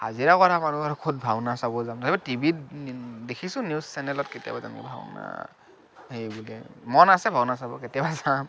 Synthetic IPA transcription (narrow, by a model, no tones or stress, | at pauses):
ha̰ziɹakɔamanuaɹkʰud̚bʱawnasabɔzamtatɛbatibi | dekʰisʊ̃nissɛnɛlɔtketija̰baza̰nḭbʱa̰w̰na̰ | ɦejbulɛmɔnasɛbʱawnasabɔ̰ketɔbazam